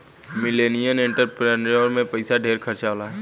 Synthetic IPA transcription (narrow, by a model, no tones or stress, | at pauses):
mɪleːnijənẽɳʈəɾpɾeːnoːɾmẽpɐɪsaɖʱeːɾkʰəɾt͡ʃaːlaɦ